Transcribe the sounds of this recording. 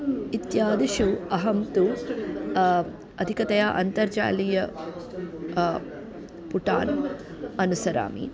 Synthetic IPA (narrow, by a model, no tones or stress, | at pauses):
it̪jaːd̪iʃuɐɦɐmt̪u | ɐd̪ʱikɐt̪ɐjaːʔɐnt̪ɐɾd͡ʒa̰ːlijɐ | puʈa̰ːn | ɐnusɐɾa̰ːmḭ